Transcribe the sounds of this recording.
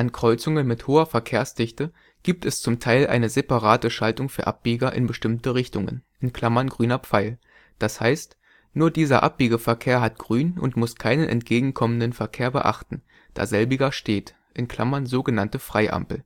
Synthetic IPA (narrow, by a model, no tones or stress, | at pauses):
ʔankʁ̥ɔʏt͡sʊŋənmɪthoːɐfɛɐkʰeːɐsd̥ɪçtə | ɡ̥iːp̚tɛst͡sʊmtʰaɪlʔa̰ɪnəzepaʁaːtəʃaltʊŋfyːɐʔa̰p̚b̥iːɡɐʔɪ̰nbəʃtɪmtəʁɪçtʊŋə̰nʔɪnkl̥amɐnɡʁyːnɐp͡faɪl | d̥ashaɪst | nuːɐdiːzɐ̰ʔa̰p̚b̥iːɡɐfɛɐkʰeːɐɦat̚ɡ̥ʁyːnʔʊ̰ntmʊskʰaɪnənʔɛ̰ntɡ̥eːɡŋ̩kʰɔməndənfɛɐkʰeːɐbə̰ʔa̰χtn̩ | d̥a̰ːzɛlbɪɡɐʃteːt | ʔɪnkl̥a̰mɐnzoːɡənantəfʁ̥aɪʔa̰mpl̩